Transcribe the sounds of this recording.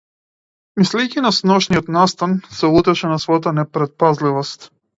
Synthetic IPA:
mislɛjcinasnɔʃnijɔt̪nast̪ansɛut̪ɛʃɛnasvɔjat̪anɛpɾɛt̪̚pazlivɔst̪

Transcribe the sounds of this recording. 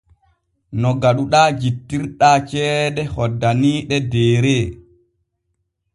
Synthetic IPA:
nɔɡaɗuɗaːd͡ʒitːiɾɗaːt͡ʃɛːdɛhɔdːaniːɗɛdɛːɾeː

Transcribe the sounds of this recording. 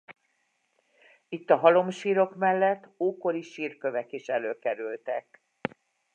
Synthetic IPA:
it̪ːɒɦɒlo̞mʃiːɾo̞kmɛlːɛt̪ːoːko̞liʃiːrkø̞vɛkiʃɛløːkɛɾylt̪ɛk

